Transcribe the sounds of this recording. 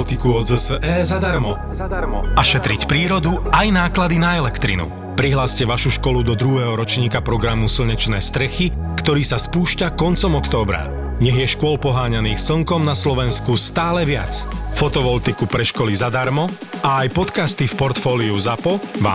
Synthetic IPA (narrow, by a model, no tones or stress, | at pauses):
t̪ikuɔd͡zsɛːzad̪aɾmɔ | ɾɔaʃɛt̪ɾicpɾiːɾɔd̪uajnaːklad̪inaɛlɛkt̪ɾḭnṵ | pɾiɦlaːscɛʋaʃuʃkɔlud̪ɔd̪ɾuɦɛːɦɔɾɔt͡ʃɲiːkapɾɔɡɾamusl̩ɲɛt͡ʃnɛːst̪ɾɛxi | kt̪ɔɾiːsaspuːʃcakɔnt͡sɔmɔkt̪ɔːbɾa̰ | ɲɛɣjɛʃkʊɔlpɔɦaːɲaniːxsl̩ŋkɔmnaslɔʋɛnskust̪aːlɛʋɪa̰t͡sfɔt̪ɔʋɔlt̪ikupɾɛʃkɔlizad̪aɾmɔ | ʔaːjpɔt̪kast̪ifpɔɾt̪fɔːliuzapɔʋa̰ː